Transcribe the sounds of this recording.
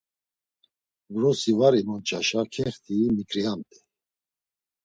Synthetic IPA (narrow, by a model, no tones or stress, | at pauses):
vɾɔsivaɾimɔnt͡ʃʼaʃakʰɛχt̪ʰiːmikʰʼɾiamt̪ʼi